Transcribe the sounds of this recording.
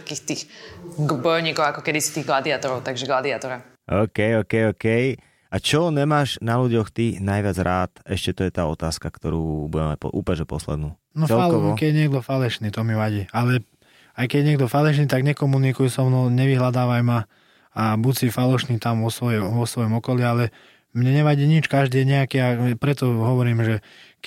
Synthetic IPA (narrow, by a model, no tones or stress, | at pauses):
t̪akiːxt̪iːx | bɔjɔʊɲiːkɔʊakɔkɛd̪isi̥t̪iːɣɡlad̪iat̪ɔɾɔʊt̪aɡʒɛɡlad̪iat̪ɔɾa | ʔɔːkɛjɔːkɛjɔkɛj | at͡ʃɔɲɛmaːʒnaluɟɔxt̪inajʋɪad͡zɾʔaːt̪ɛʃcɛt̪ɔjɛt̪aːɔt̪aːskakt̪ɔɾṵːbuɟɛma̰c̚pɔ̰ʔṵːpɛʒɛpɔ̰slɛ̰d̪nuː | nɔt͡sɛlalkɔʋkɛɟɛɲɪɛɡd̪ɔfalɛʃniːt̪ɔmiʋaɟiːalɛ | ajkɛɟɛɲɪɛɡd̪ɔfalɛʃniːt̪aɡɲɛkɔmunikujusɔmnɔɲɛʋiɦlad̪aːʋajma | abusifalɔʃniːt̪amʋɔsʋɔjɔʋɔsʋɔjɔmɔkɔlialɛ | mɲɛɲɛʋaɟiːɲit͡ʃkaʒd̪iːɛɲɛakiːapɾɛt̪ɔɦɔʋɔɾiːmʒɛ